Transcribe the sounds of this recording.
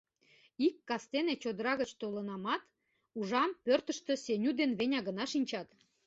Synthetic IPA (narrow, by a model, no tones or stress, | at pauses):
ikːɑst̪enet͡ɕod̪əɾɑɣət͡ɕt̪olənɑmɑt̪ | uʒɑmpørt̪ə̆ʃt̪ə̆sʲenʲud̪enβenʲɑɣə̆nɑʃinʲt͡ɕɑt̪